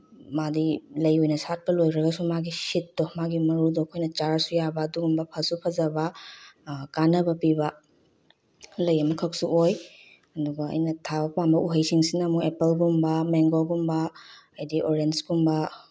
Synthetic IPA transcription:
madilɐjojnɐsat̚pɐlojɾɐɡɐsumaɡisit̚ːɔmaɡimɐɾudɔkʰojnɐt͡ʃaɾsujabɐːduɡumbɐpʰɐsupʰɐzɐbɐ | kanɐbɐpibɐ | lɐjɐmɐkʰɐk̚suʔoj | ɐduɡɐɐ̰jnɐtʰabɐpambɐʔuɦɐjsiŋsinɐmuepelɡumbɐmeŋɡoɡumbɐː | jdiʔoɾensɡumbɐ

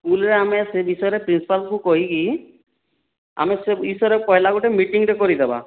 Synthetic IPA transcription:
skulɾeamesebisɔjɾepɾinsi̥palkukoɦiki | a̰meseisɔɾepɔɦelaɡuʈemiʈiŋɾɛkɔɾid̪eba̰

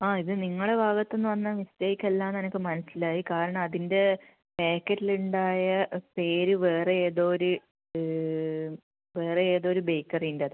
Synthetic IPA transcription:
aːiðɨniŋːɐɽebʱaːɡɐt̪ːe̞nːɨʋɐnːɐʋist̪eːikʲːɐlːaːnɐnɐkʲːɨmɐnɐsilaːjikaːɾɐɳɐmɐðinde̞ | peːkːɐʈːiluɳɖaːjɐpe̞ːɾuʋe̞ːreeːðo̞ːoɾu | ʋe̞ːreeːðo̞ːɾubejkːɐrindɐðɨ

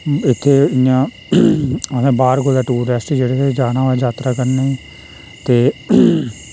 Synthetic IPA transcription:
ɪt̪ʰːeːɪjãː | mɛ̃ːbaːɾkoːd̪aːʈuːɾɛːsʈid͡ʒeːɽeːt̪ed͡ʒaːñãːoɛːd͡ʒaːt̪ɾaːkəɾnaːiː | t̪eː

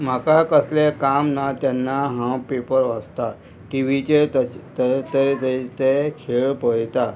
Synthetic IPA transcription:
m̤akakəslekamnat̪anːaɦãpepəɾʋəst̪a | ʈiʋit͡ɕet̪t̪t̪əɾet̪ət̪ekʰeɭpəɽt̪a

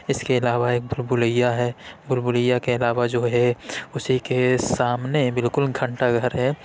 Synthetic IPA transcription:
ɪskeɪlaːʋaeːk̚bʱʊlbʊləjaɦɛːbʊlbʊləjːakeɪlaːʋad͡ʒoːɦɛʊsikesaːmnebɪlkʊlɡʱə̃ɳʈaɡʱəɾɦɛː

